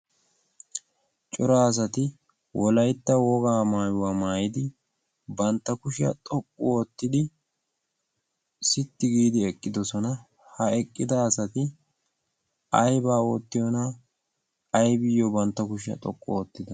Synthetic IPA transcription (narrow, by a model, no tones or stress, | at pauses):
t͡ʃʼɔɾaːs̬ɐt̪ɪ | wʔɔlɐjt̪ːɐwɔɡaːmaːjʊwaːmaːjɪd̪ɪ | bɐnt̪ːɐkʊʃɪɐ̰t̪ʼɔkʼːʊot̪ːɪd̪ɪ | sɪt̪ːɪɡiːd̪ɪɛkʼːɪd̪ɔsɔnɐ | hɐɛkʼːɪd̪ɐːsɐt̪ɪ | ɐjbaːot̪ːɪjona | ɐjbɪjːɔbɐnt̪ːɐkʊʃɪɐ̰t̪ʼɔkʼːɔoːt̪ːɪd̪ɐ